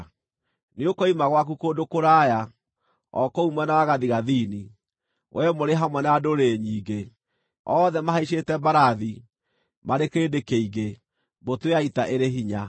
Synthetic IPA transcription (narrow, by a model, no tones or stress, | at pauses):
neokɔimaɣwak̬ukodokoɾaja | ɔ̰koumwɛnawaɣaðiɣaðiːni | wʔɛmoɾeɦamwɛnadoɾeɲiːɡe | ɔːðɛmaɦaiʃetɛbaɾaði | maɾekeːdekeiɣe | botweaitaʔeɾeɦiɲa